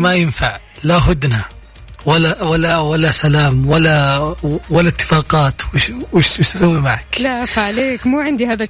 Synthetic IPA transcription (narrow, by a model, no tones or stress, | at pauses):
majɪnfaʕ | laɦʊd̪na | walːawalːawalːasalaːmwalːa | walːat̪ːɪ̥fɑːqɑːt̪wɪʃwɪʃwɪʃt̪sawːimaʕaklaʔfaʕaleːkmuːʕɪnd̪ihaːða